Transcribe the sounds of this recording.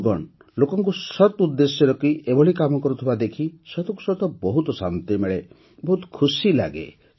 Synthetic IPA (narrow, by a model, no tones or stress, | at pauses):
ɡɔɳ | lokɔŋkusɔt̪ud̪ːesjɔɾɔkiʔebɔɭikamɔkɔɾut̪ʰibad̪ekʰisɔt̪ɔŋkusɔt̪ɔbɔɦut̪ɔsa̰nt̪imeɭe | bɔɦut̪ɔ̥kʰusila̰ɡḛ